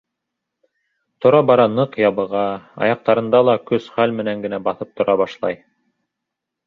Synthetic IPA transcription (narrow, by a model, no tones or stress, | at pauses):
t̪ŏɾɑbɑɾɑnɤqjɑβɤ̆ʁɑɑ̰jɑq̚t̪ɑɾɤ̆nd̪ɑlˠɑkɵsχælmɘ̆næŋɡɘ̆næbɑθɤp̚t̪ŏɾʔɑβɑʃlˠɑ̰j